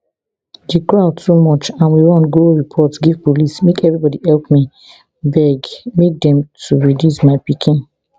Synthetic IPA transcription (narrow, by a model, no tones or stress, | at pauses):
dikɹatʰumɔt͡ʃãnwiwɔ̃nɡoɹipʰɔtsɡiv̥polismekɛvɹibɔdihɛlpmi | bɛɡmek̚dɛ̃mtʰuɹidjusmaɪpikʰĩn